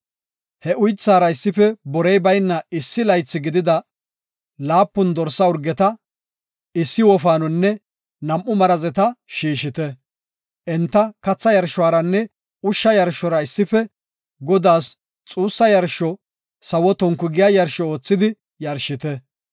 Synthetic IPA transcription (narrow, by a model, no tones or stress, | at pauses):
hɛʔʊjt͡sːaːɾɐɪsːɪfɛbɔɾɛjbɐjnːɐɪsːɪlɐjt͡sːɪɡɪd̪ɪd̪ɐ | laːpːʊnd̪ɔɾsːɐʊɾɡɛt̪ɐ | ɪsːɪwɔfaːnɔnːɛ | nɐmʔːʊmɐɾɐzɛt̪ɐʃiːʃɪt̪ɛ | ʔɛnt̪ːɐkɐt͡sːɐjɐɾʃʊwaːɾɐnːɛ | ʊʃːɐjɐɾʃːɔɾɐɪsːɪfɛ | ɡɔd̪aːs | t͡sʼuːsːɐjɐɾʃɔ | sɐwɔt̪ɔŋkːʊɡɪjajɐɾʃɔoːt͡sːɪd̪ɪ | jɐɾʃɪt̪ɛ